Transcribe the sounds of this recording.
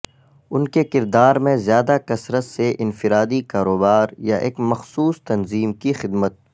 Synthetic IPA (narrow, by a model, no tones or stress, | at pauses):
ʊnkekɪɾd̪aːɾmẽzjaːd̪akɐsɾət̪seʔɪnfɪɾaːd̪ikaːɾoːbaːɾjaʔḛːkmɐxsuːst̪ɐnziːmkixɪd̪mət̪̚